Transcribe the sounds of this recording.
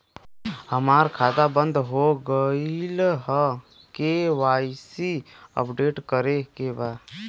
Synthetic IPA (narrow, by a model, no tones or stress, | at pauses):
həmaːɾkʰaːd̪abə̃nd̪ʱɦoɡəilɦə | keʋaːɪsiə̰pɖeːʈkəɾekebaː